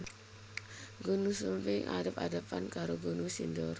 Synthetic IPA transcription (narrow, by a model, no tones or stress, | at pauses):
ɡunusəmpɪŋʔa̰dapa̰dapankaɾoɡunusindɔr